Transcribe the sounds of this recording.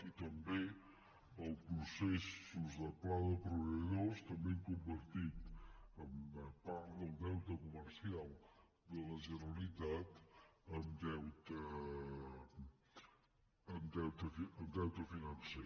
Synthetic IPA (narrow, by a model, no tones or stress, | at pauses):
it̪əmbe | əlˠpɾusesuzðəplaðəpɾuβəðost̪əmbekumbəɾt̪it̪əməpaɾt̪ðəlˠd̪ɛwt̪əkuməɾsialˠ | d̪ələʒənəlit̪at̪əmd̪ɛwt̪ə | əmd̪ɛwt̪əfiəmd̪ɛwt̪əfinənse